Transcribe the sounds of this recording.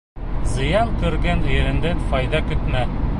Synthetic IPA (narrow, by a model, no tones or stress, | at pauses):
zɤ̆jɑnkɵ̆ɾɡænjɘ̆ɾɘ̆nd̪æfɒjd̪ɑkɵ̆t̪mæ